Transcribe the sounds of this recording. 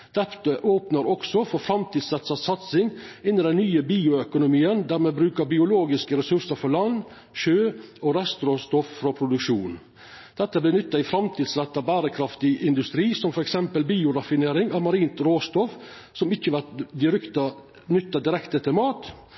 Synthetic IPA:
d̪̥ɛpt̪əʔoːpnəɾɔksɔfɔɾfɾɑmt̪ʰiːd̪sɾɛt̪sɑsɑt̪sɪŋɪnːɪd̪ɛnnyːəbiːʊœkʊnʊmiːənd̪æɾmeɛːbɾʉːkəɾbɪʊloːɡɪskəɾɛsʉɾsəɾfɔlɑnː | ʃøːɔɾɛst̪ɾoːst̪ɔffɾɔpʰɾʊd̪ʉkʃuːn | d̪̥ɛt̪ːəblɪnʏt̪ːɑɪfɾɑmt̪ʰiːd̪sɾɛt̪ːɑbæːɾəkʰɾɑft̪ɪʔɪnd̪ʉst̪ɾiːsɔmfɔɾɛksɛmpəlbiːʊɾɑfɪneːɾɪŋɑːʋmɑɾiːnt̪ɾoːst̪ɔf | sɔmɪçːəʋæt̪d̪ɪɾkt̪ɑ | nʏt̪ːɑd̪ɪɾɛkt̪ət̪ʰɪlmɑːt̪

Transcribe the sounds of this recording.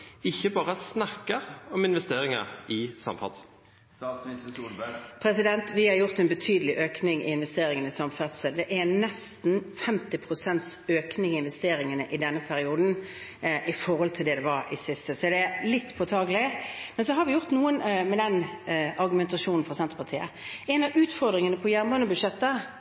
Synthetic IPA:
ɪçːəbɑːʁəsnɑkːəʁɔmɪnʋɛst̪eːɾɪŋə̰ʁɪsɑ̰mfɑ̰t̪s | pʰɾɛsɪd̪ɛnt̪ʋɪhɑɾjʊʁt̪ɛnbət̪ʰyːd̪əlɪʔøːknɪŋɪ̰ɪnʋɛst̪eːɾɪŋənəɪsɑmfæt̪səld̪ɛʔænɛst̪n̩fɛmt̪ɪpʰɾʊsɛnt̪søːknɪŋɪɪnʋɛst̪eːɾɪŋənəʔɪd̪ɛnːəpʰæɾɪuːd̪n̩ʔɪfɔɾhɔlt̪ʰɪld̪ɛd̪ɛʋɑɾɪsɪst̪əsɔd̪ɛælɪt̪ːpʰɔt̪ʰɑːɡlɪmɛnsɔɦɑɾʋɪjʊʁt̪nuːənmɛd̪ɛnɑɾɡʉmɛnt̪ɑʃuːnn̩fɔsɛnt̪ɾəpɑt̪ʰiːə̰ɛnɑʋʉːt̪fɔʁd̪ɾɪŋənəpʰɔjæɾməənəbʉʂɛt̪ːə

